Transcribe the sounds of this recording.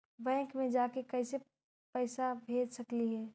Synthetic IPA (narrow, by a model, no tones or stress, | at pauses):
bɛ̃ːŋkmẽd͡ʒaːkekɐɪse | pɛːsabʱeːd͡ʒsəkliɦɛː